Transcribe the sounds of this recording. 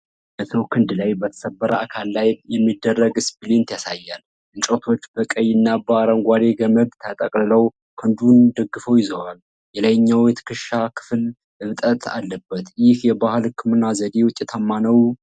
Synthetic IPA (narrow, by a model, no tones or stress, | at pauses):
bət̪əwkʰɨnd̪lajbət̪ʰə̥səbːəɾʔəakʰalːajjɛmːid̪ːərːəɡɨsbilint̪jasajːal | ʔɨnt͡ʃʼot̪ʰo̞t͡ʃːbəkʼəjːɪnːabəaɾəŋɡʷad̪e̞ɡəməb̪t̪ʰat̪ʼəkʼlɨləw | kʰɨnd̪und̪əɡːɨfəwjɪzəwal | jɛlajɲːawjɛt̪ʰɨ̥kʰɨʃakʰɨ̥fl | ʔɨβt̪ʼət̪ʰa̰lːəbːət̪jɪhjɛbahɨlhɨkʰːɨmɨnːazəd̪ewʊt͡ʃʼːɛt̪ʰamːanəw